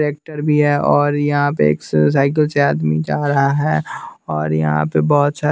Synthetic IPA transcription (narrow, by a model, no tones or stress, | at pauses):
ɾeːk̚ʈəɾbʱiɦɛɔːɾjɐɦãpeḛːks̬aːɪk̬əlseaːd̪mid͡ʒaːɾɐɦaɦɛːɔːɾjɐ̰ɦã̰pebɔːt̪saː